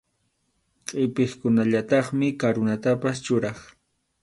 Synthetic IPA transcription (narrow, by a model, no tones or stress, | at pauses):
qʼɪpeχkʊnaʎat̪ɑχmɪkaɾʊnat̪apast͡ʃʊɾɑχ